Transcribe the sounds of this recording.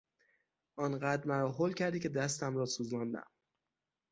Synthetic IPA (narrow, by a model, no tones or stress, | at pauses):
ʔɒːnɢæːd̪ɾmæɾɒːɦolcʰæɾd̪iːcʰe̞d̪æst̪æmɾɒːsuːzmɒːnd̪æ̰m